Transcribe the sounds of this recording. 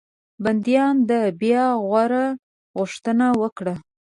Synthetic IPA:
band̪jɑnd̪əbjɑɣwaɾa | ɣʊʂt̪ənawəkɽa

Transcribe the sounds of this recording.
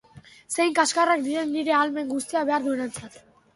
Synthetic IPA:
sejŋkaskarak̚d̪iɾe̞nːiɾe̞alme̞ŋɡust̪iaβe̞aɾðue̞ne̞nt͡sat̪

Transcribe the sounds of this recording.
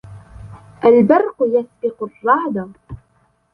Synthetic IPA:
ʔalbɑɾˤqʊjasbɪqʊrˤːɑʕd̪ɑ

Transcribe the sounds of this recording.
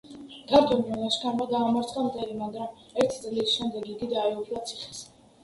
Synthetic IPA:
ɡ̪aɾd̪ɔmiɔnaʃkʰanmad̪aːmaɾt̪sʼqʼamd̪ɛlimaɡɾam | ɛɾt̪ʰi̥t̪sʼlisʃɛmd̪ɛɡiɡid̪aɛupʰlˠat̪sʰiχɛ̥s

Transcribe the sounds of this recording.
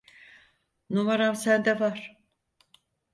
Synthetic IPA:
novaɾamsænd̪ɛvaɾ̥

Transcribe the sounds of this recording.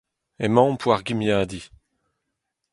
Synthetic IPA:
emɑ̃pʰwaʁɡimjaːd̪i

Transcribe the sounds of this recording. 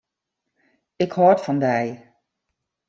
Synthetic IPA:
ɪkhɔtfɑndɛj

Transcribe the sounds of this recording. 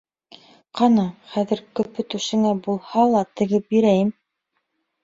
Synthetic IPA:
qʰɑnɑχæðɘ̆ɾkɵ̆pɵ̆t̪ʉʃɘ̆ŋæbulˠhɑlˠɑt̪ɘ̆ɡɘp̚biɾæjɘm

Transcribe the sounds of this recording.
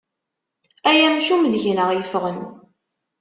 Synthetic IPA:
æjæmʃumðʝnəʁjəfʁən

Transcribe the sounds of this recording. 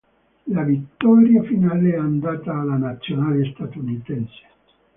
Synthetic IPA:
lavit̪ːɔɾjafinaleɛand̪aːt̪aːlːanat̪sːjonaːlest̪at̪unit̪ɛnse̥

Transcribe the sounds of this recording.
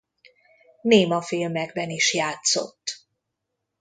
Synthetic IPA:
neːmɒfilmɛɡ̚bɛniʃjaːt̪so̞̰t̪ː

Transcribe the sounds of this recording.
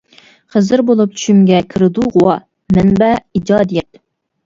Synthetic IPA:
χəzɨɾbolˠup̚t͡ʃʰy̥ʃymɡʲɛkʲʰɨɾɨd̪uʁʊwɑ | mɛnbɛid͡ʒɑːd̪ijɛt̪

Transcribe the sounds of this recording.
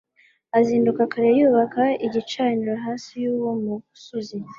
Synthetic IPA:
aziːndukakaɾejuːβakaiɟit͡ʃaːniɾaɦaːsijuːwo̞mu | suzi

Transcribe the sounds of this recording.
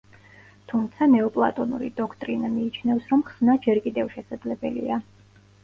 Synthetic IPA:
t̪ʰumt̪sʰanɛɔpʼlˠa̰t̪ʼɔnṵɾḭd̪ɔkʰt̪ʼɾinamiːt͡ʃʰnɛvsɾɔmχsnad͡ʒɛɾkʼid̪ɛvʃɛsad̪zlɛbɛ̰lḭa

